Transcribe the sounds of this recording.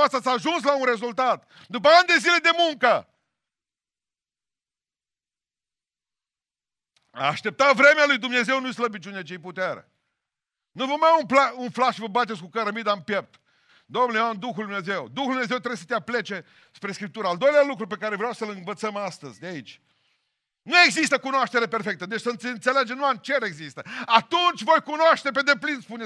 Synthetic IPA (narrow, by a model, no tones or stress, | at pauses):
ast̪at̪sʲaʒuns̬launɾe̞zult̪at̪ | d̪upəand̪e̞zile̞d̪e̞muŋkə | a̰ːʃt̪e̞p̚t̪avɾe̞mealujd̪umne̞ze̞wnujsləbit͡ʃʲunet͡ʃejput̪eɾḛ | nuvomajaunplaunflaʃivəbat̪̬et̪sʲkukəɾəmid̪ampep̚t̪ | d̪omnuleand̪uxuljd̪umneze̞wd̪uxud̪umneze̞wt̪ɾees̬ə̥t̪eaple̞t͡ʃe̞ | spɾe̞skɾip̚t̪uɾəald̪o̞jlealukɾupe̞kaɾevɾeawsəlɨnvət̪səmast̪əzʲd̪eait͡ʃʲ | nue̞ɡzist̪əkunoaʃt̪eɾe̞perfe̞k̚t̪əd̪et͡ʃsəɨnsɨnt̪seled͡ʒenuant͡ʃeɾe̞ɡzist̪əat̪unt͡ʃʲvo̞jkunoaʃt̪e̞p̬e̞d̪e̞plinspun